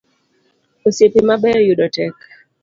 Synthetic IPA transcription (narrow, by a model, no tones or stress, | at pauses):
osepimaɓɛɾjuɗɔtɛk